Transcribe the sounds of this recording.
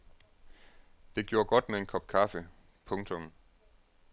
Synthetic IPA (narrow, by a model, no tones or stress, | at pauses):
d̥e̝ɡ̥jo̝ːɐɡ̥ɒ̽d̥mee̝nkʰɒ̽b̥kʰɑfə | pʰɔ̽ŋt͡sʰɔ̽m